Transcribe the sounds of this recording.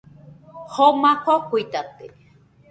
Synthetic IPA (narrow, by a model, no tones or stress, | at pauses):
homãhokuit̪at̪e